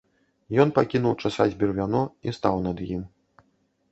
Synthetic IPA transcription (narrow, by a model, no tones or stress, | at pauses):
jɔnpakʲinuwt͡ʂasazʲbʲirvʲanɔist̪awnɐd̪jim